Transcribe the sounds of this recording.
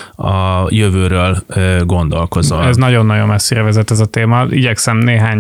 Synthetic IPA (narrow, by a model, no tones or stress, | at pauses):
ɒjøvøːɾøːlːɡo̞nd̪olko̞zɒ̰ɛznɒɟo̞nːɒɟo̞mɛsːeːɾɛvɛzɛt̪ːɛzɒt̪eːmɒḭɟɛksɛmneːɦaːɲ